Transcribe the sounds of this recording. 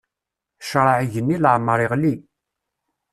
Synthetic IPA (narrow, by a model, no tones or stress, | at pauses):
ʃɾˤɑʕʝənːiləʕmːəɾˤiʁli